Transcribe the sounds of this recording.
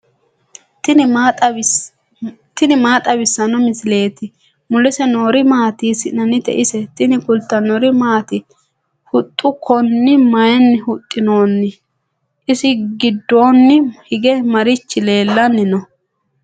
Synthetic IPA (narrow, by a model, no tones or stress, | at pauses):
tːt̪ʼ | t̪ɪnɪmaːt̪ʼɐbɪsːɐnɔmɪsɪle̞ːt̪ɪ | mʊlɪsɛno̞ːɾɪmaːt̪iːsɪnɐnɪt̪ɛ̰ʔɪsɛt̪ɪnɪkʊlt̪ːɐnɔɾɪmaːt̪ɪ | hʊt̪ʼːʊkʰɔnːɪmɐjɛnːɪhʊt̪ʼːɪno̞ːnːɪ | ʔɪsɪɡɪd̪ːo̞ːnːɪhɪɡɛmɐɾɪt͡ʃːɪle̞ːlːɐnːɪnɔ